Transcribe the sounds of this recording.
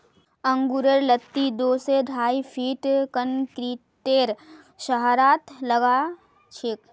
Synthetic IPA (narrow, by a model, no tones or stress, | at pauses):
ə̃ŋɡuɾəɾlət̪ːid̪oːseɖʱaːipʰiːʈkənkɾiː | ʈːeːɾ | ʃəɦɾaːt̪ləɡa | t͡ʃʰɪk